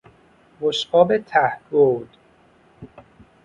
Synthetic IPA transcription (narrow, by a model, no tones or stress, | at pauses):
voʃʔɒːbet̪ʰæhɡod̪̥